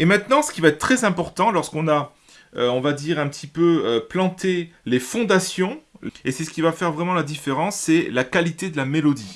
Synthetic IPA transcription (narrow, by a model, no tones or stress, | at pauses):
emɛ̃t̪nɑ̃sə̥kʲivaɛt̪χt̪χɛzɛ̃pɔʁt̪ɑ̃lɔʁskɔ̃na | øɔ̃vad̪iʁɛ̃pət̪ʰipøøplɑ̃t̪elefɔ̃d̪asjɔ̃esɛsə̥kʲivafɛʁvʁɛmɑ̃lad̪ifeʁɑ̃sːɛlakalit̪ed̪əlamelɔd̪i